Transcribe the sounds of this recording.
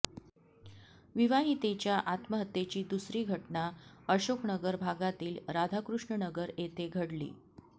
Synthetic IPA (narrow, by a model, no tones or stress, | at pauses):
ʋiʋaɦit̪et͡ɕjaʔat̪məɦət̪ːjet͡ɕiːd̪usɾiːɡʱəʈnaəɕoknəɡəɾbʱaɡat̪iːlɾad̪ʱakɾuʂɳənəɡəɾet̪eɡʱəɽlḭː